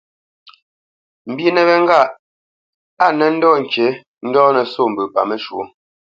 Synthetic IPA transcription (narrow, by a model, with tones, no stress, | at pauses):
m̩˨bji˦nɛ˨bɛ˦ŋ̩˦ɡa˦˨ʔ | a˦˨nɛ˦n̩˦dɔː˦˨ŋ̩˨ke˨˦ | n̩˦dɔː˦nə˨so˦˨m̩˨bʉ˨pa̰˨mə˦ʃwo˦